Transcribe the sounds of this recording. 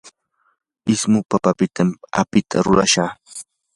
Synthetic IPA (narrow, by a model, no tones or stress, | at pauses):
ɪsmʊpapapɪt̪ʰama̰pɪt̪ʰa̰ɾʊɾaʃaχ